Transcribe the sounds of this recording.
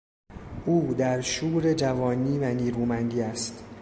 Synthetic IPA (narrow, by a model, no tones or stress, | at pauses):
ʔuːd̪æɾʃuːɾed͡ʒævɒːniːvæniːɾuːmænd̪iːæst̪